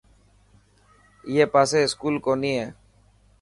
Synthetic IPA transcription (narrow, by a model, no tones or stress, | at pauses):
jeːpaːseːɪskuːlkoːnĩːɦɛː